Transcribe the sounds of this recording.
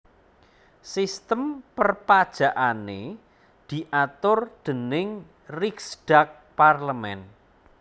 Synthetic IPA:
sist̪əmpərpad̥ʒ̥a̤ʔane | d̪̥i̤ʔat̪ʊrd̪̥ə̤nɪŋ | riksɖ̥ak̚parləmɛn

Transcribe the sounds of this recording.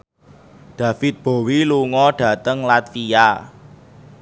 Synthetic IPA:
ɖ̪̥ä̤fɪt̪̚b̥o̤wiluŋɔɖ̥ä̤t̪əŋlat̪fija

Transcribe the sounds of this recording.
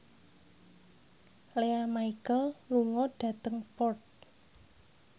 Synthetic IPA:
leamaikəlluŋɔɖ̥ä̤t̪əŋpɔrt̪̚

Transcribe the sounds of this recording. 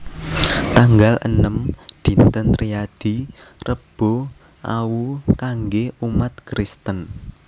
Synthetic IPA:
t̪aŋɡalʔə̰nəmd̪̥i̤nt̪ənt̪ɾijad̪̥i̤ | rəb̥o | ʔa̰wukaŋɡeumat̪̚kɾist̪ən

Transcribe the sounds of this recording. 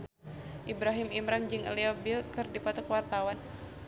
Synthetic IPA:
ʔibɾaɦimimɾand͡ʒɨŋə̰liɔbɪlkərdipat̪ɔkəwart̪awan

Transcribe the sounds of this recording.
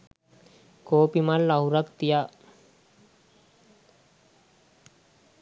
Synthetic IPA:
koːpimalːɐɦuɾɐkt̪ija

